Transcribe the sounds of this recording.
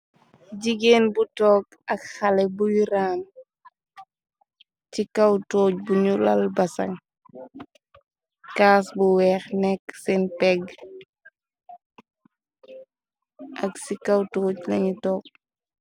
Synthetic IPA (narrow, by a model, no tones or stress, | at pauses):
ɟiɡeːnbutɔːk̚ | ɐkxɐlɛbujiɾaːn | cikɐwtoːc̚buɲulɐlbɐsɐ̰ŋ | kaːsbuwɛːxnɛkːsɛnpɛɡ | ɐksikawtoːclɐɲutɔːk̚